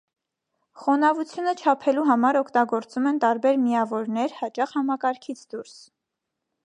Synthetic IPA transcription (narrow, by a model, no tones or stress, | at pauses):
χɔnɑvut͡sʰjunət͡ʃʰɑpʰɛluɦɑmɑɾɔkʰt̪ɑɡɔɾt͡sumɛnt̪ɑɾbɛɾmiɑvɔɾnɛɾhɑt͡ʃɑχhɑmɑkɑɾkʰit͡sʰd̪uɾs